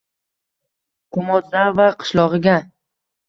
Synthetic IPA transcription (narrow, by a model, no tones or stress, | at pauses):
qʰʊmɒzavaqʰɨ̥ʃlˠɒʁɨɡʲa